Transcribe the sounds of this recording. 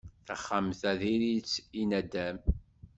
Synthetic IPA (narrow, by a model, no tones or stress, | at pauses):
θəχːamθæðiɾit͡sːinæd̪æm